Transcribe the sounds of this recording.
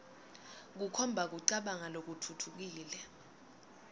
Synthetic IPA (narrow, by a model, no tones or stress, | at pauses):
k̬ukʰɔmbʱak̬uǀaɓaŋalok̬utʰutʰuk̬iːlɛ